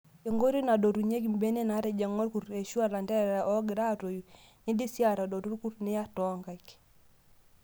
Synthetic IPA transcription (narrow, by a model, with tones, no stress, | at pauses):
e˨ŋɡo˦ɾi˦na˨do˨ɾu˨ɲe˦ɡ̬i˨m˦be˦ne˦na˨˦ɾɛ˦˨d͡ʒɛ˨ŋo˦ɾku˨ɾe˨ʃu˦a˦˨la˨ndɛ˦ɾɾa˨ʔɔ˦ɡɪ˨ɾa˦˨ɾo˨ju˨ | ni˦di˦si˦a˦˨ɾa˨do˨ɾu˦ɾku˦ɾnɪ˦ja˦tɔ˨˦ŋɡa˨i˨k